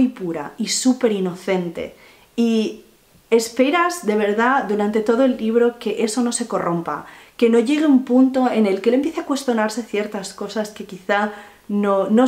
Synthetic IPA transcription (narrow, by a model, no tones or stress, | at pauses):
jpuɾa̰isupe̞ɾino̞θe̞nt̪e̞̰ | i | e̞spe̞ɾazðe̞β̞e̞ɾðad̪uɾant̪e̞t̪o̞ð̞oelːiβ̞ɾo̞ke̞ʔe̞so̞no̞se̞ko̞ro̞mpa̰ke̞no̞ʝe̞ɣ̞eumpunt̪o̞e̞ne̞lkelempjeθeakwe̞st̪jo̞naɾse̞θje̞ɾt̪asko̞saske̞kiθa | nono